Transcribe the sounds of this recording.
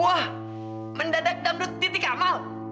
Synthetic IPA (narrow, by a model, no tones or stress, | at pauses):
wah | məndadak̚damduit̪ikamal